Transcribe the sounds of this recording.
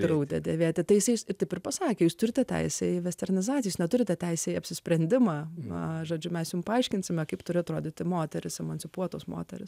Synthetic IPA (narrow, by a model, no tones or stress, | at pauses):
ɾɐʊd̪ʲɛd̪ʲeːʋʲeːt̪ʲɪt̪ɐɪjɪsɐɪɪsɪɾt̪ɐɪpɪrpɐsɑːkʲeːjuːst̪ʊɾʲɪt̪ʲɛt̪ʲɛ̰ɪsʲɛɪʋʲɛsʲt̪ʲɛrʲnʲɪzɑːt͡sʲɪjoːsnʲɛt̪ʊɾʲɪt̪ʲɛtʲɛɪsʲɛːɪɐpʲsʲɪsʲpʲɾʲɛnʲd̪ʲɪmɑːʒoːd͡ʒʲʊmʲɛsjʊmpɐɐɪʃʲkʲɪnʲsʲɪmʲɛkɐɪpt̪ʊɾʲɪɐt̪ɾoːd̪ʲɪt̪ʲɪmoːt̪ʲɛɾʲɪsɛmɐnʲsʲɪpuɔt̪oːsmo̰ːt̪ʲɛ̰ɾʲɪs